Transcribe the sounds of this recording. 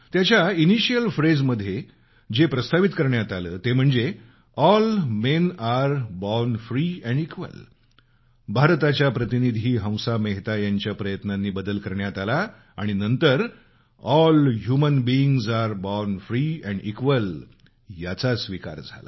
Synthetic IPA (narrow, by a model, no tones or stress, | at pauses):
t̪jat͡ɕjainiɕijəlfɾed͡zməd̪ʱːje | d͡ʑepɾəst̪ʰaʋit̪kəɾɳjat̪aləːt̪em̤əɳd͡ze | ɔlmenaɾbɔnfɾiːɛ̃ɳɖikʋə̰l | bʱaɾt̪at͡ɕjapɾət̪inid̪ʱiːɦə̃w̃sameɦt̪ajaɲt͡ɕjapɾəjət̪nanːiːbəd̪əlkəɾɳjat̪alaː | ɽ̃inənt̪əɾ | ɔlɦjumənbiiŋɡzaɾbɔɾnfɾiːɛ̃ɳɖḭkʋəl | jat͡sasʋika̰ɾd͡zʱa̰la̰